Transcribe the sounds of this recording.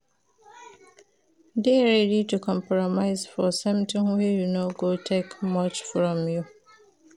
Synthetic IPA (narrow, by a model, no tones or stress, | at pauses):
deɹɛditukʰɔ̃mpɹɔmaɪzfɔsʌ̃mtɪ̃ŋwɛjunoɡotʰekmʌt͡ʃfɹɔ̃mju